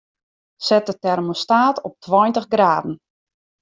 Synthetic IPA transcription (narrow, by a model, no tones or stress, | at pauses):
sɛt̚ətɛrmostaːtɔp̚tʰwɔjntəɣɡraːdn̩